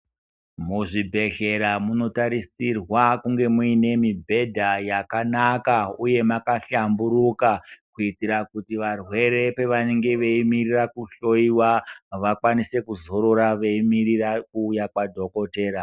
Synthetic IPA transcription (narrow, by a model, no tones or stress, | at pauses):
muʐibʱe̞ɬe̞ɾamuno̞taɾisirwakuŋɡe̞muine̞mibʱe̞dʱajakanakauje̞makaɬambuɾukakuitiɾakutiʋarwe̞ɾe̞pe̞ʋane̞ŋɡe̞ʋe̞imirirakuɬo̞iwaʋakwanise̞kuzo̞ɾo̞ɾaʋe̞imirirakuːjakwadʱo̞ko̞te̞ːɾa